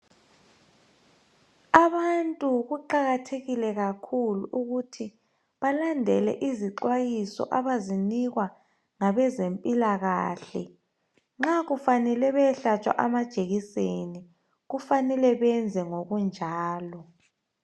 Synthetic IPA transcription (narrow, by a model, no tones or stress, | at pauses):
aβantʼuɣuǃaɣatʰeɣilɛɣakʰuluʔuɣutʰi | βalandʱɛlɛ̰ʔiziǃwajisɔ̰ʔaβaziniɣwa | ŋaβɛzempʼilaɣaːɬɛ̰ | ŋ͡ǁaɣufanɛlɛβɛɬat͡ʃʼwa̰ʔamad̥ʒ̥ʱeɣiseni | ɣufanɛlɛβɛnd͡zʱɛŋoɣund͡ʒʱaːlɔ